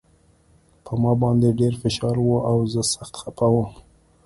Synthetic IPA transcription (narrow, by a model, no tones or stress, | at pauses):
pəmɑbɑnd̪eɖeɾfɪʃɑɾwuʔawzəsaxt̪xapawəm